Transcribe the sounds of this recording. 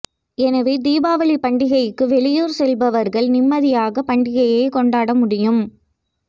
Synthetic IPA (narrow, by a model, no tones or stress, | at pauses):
ɛnɐʋeːd̪iːbaːʋɐɭipɐɳɖɪɣɐɪkːɯʋɛɭɪjoːɾsɛlbɐʋɐɾɣɐɭnɪmːɐðɪjaːɣɐpɐɳɖɪɣɐjɐɪkɔɳɖaːɽɐmʊɽɪjɯm